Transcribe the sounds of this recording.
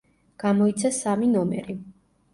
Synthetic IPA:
ɡ̥amɔit̪sʰasaminɔmɛ̰ɾi

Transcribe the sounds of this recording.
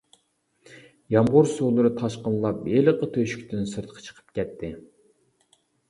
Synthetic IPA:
jɑmʁoɾsolˠɨɾɨt̪ʰɑʃqəllˠɑp̚beləqət̪ʰøʃy̥kʲt̪ʰɪnsɨɾt̪ʰə̥qʰɑ̥t͡ʃʰə̥qʰə̥p̚kʲʰɛt̪ʰːɪ

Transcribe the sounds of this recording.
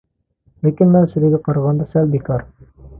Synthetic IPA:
lækinmænsɘ̆lɘɡɘqɑɾɑʁɑnd̪ɑsælbikɑɾ

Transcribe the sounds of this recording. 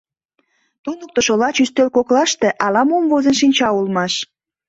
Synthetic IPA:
t̪unək̚t̪oʃolɑt͡ɕyst̪ølkoklɑʃt̪eʔɑlɑmomvozənʃinʲt͡ɕɑulmɑʃ

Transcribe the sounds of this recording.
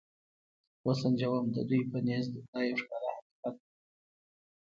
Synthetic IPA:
wasand͡ʒawamd̪ə̰d̪ujpənezd̪d̪ɑjawʂkɑɾahaki̥qat̪̚

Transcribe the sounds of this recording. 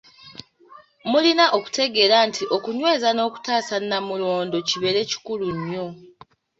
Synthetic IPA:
mulinaʔo̞ku̥te̞ɡe̞ɾantʰiʔo̞kuɲwe̞ːzano̞ːku̥taːsanːamulo̞ːndo̞ciβe̞ɾe̞ci̥kuluɲːo̞

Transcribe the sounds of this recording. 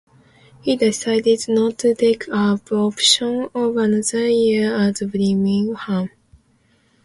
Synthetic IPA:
hidɪsaɪdɪdnɔtʰːutʰeɪkʰəbɔpʃə̃nɔvənʌðə˞jiatblimĩhãm

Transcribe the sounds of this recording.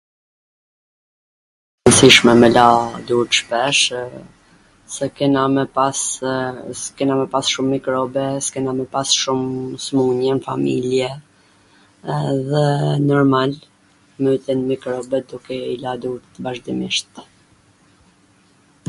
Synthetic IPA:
ənsiʃmɛmɛlad̪uɾə̥ʃpɛʃ | sɛkɛnamɛas | kɛnamɛpasʃumːikɾɔbɛskɛnamɛpasʃumsmuɲɛnfa̰mḭljɛ | ðɛnɔɾmal | məit̪inmikɾɔbɛd̪ukɛilad̪uɾt̪əbaʒd̪imiʃt̪

